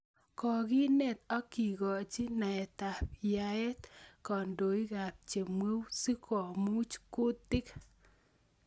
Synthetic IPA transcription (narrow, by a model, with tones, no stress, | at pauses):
kɔ˨ki˦nɛ˨t̪ɔ˦ki˨ɣɔ˨t͡ʃi˦na˨ɛ˨ta˨pja˨ɛ˦t̪kɔ˨ndo˨i˦ka˨p̚t͡ʃe˨mwe˦wsi˦kʰɔ˨mu˦t͡ʃkʊ˦t̚dɪ˦k